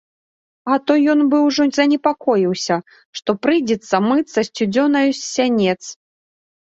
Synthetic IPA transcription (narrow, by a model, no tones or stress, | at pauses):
ɐt̪ɔjɔnbɨwʐɔzɐnʲɛpakɔjiwsʲɐ | ʂt̪ɔpɾɨjd͡zʲɛt̪sːɐmɨt̪sɐsʲt͡sʲud͡zʲɔnɐjusːʲanʲɛt̪s